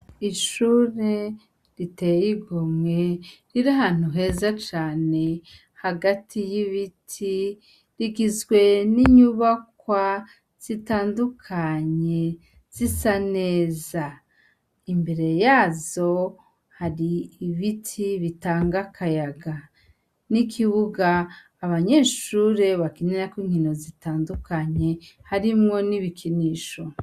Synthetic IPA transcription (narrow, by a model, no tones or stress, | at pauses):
iʃuːɾe | ɾitejiɡomŋeɾiɾaɦan̥huɦe̞ːzat͡ʃaːne̞ | haɡatʰijiβitʰi | ɾiɡizɡwe̞niɲuβakwa | z̥itaːndukʰaɲe̞ | z̥isane̞ːza | imbe̞ɾe̞jaːzo̞ | haɾiːβitʰiβitaːŋɡakʰajaɡa | nikʰiβuɡaː | βaɲe̞ːʃuːɾe̞βakiɲeɾakiŋhino̞zitaːndukʰaɲe̞haɾimŋo̞niβikʰiniːʃo̞